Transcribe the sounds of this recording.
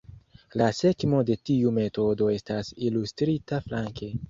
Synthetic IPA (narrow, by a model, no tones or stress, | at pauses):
lase̞kmo̞de̞tiume̞to̞do̞e̞stasilustɾitaflaŋke̞